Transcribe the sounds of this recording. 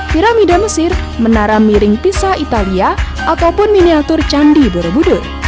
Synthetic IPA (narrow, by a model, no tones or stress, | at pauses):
piɾamidaməsɪr | mənaɾamːiɾɪŋpisait̪alia | ʔat̪awpʊnminiat̪ʊrt͡ʃandiboɾobudʊ